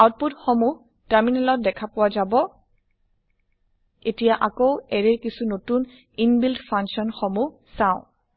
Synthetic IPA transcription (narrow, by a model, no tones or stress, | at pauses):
awt̚putxomuh | taɹminɛlɔt̚dɛkʰapʊwazabɔ | etijaʔakoʊɛɹɛɹkisunotun | inbildpʰãŋsɔnxomu | sãʊ̃